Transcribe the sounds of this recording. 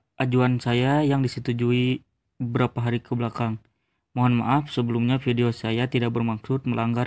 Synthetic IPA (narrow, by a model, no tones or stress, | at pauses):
ʔad͡ʒuansajajaŋdisət̪ud͡ʒui | əbəɾapaɦaɾikəbəlakaŋ | moɦanma̰ʔafsəbəlumɲafideosajat̪idak̚bərmaksʊt̪̚məlʔaŋɡar